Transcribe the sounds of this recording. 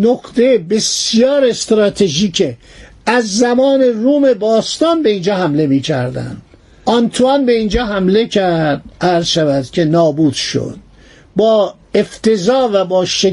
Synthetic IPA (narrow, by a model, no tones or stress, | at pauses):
noqt̪ejebe̞sijɒːɾest̪ɾɒːt̪ʰeʒiːcʰe | æzːæmɒːne̞ruːme̞bɒːst̪ɒːnbe̞ind͡ʒɒːhæmle̞miːcʰæɾd̪æ̰nd̪̥ | ʔɒnt̪ʰuænbe̞iːnd͡ʒɒːɦæmle̞cʰæɾd̪̥̚æɾzʃævæd̪̥cʲʰe̞nɒːbuːd̪̥ʃo̰d̪̥̚ | bɒː | e̞ft̪ʰe̞zɒːvæbɒːʃe